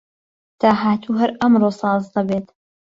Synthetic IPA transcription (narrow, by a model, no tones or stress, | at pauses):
t̪ʰaːɦaːt̪ʰuːɦɐɾʔɐmɾoːsɑːzd̪ɐbeːt̪